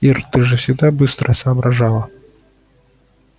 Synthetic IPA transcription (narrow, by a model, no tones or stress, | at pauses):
irt̪ɨʐɨfsʲɪɡd̪abɨst̪ɾʔəsɐːbɾʔɐʐalˠə